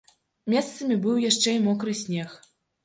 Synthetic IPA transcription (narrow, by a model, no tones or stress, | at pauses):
mʲɛst̪sɐmʲibɨwjaʂt͡ʂɛjmɔkɾɨsʲnʲɛx